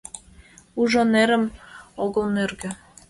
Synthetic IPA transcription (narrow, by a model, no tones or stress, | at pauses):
uʒoneɾə̆moɣolnørɡø̆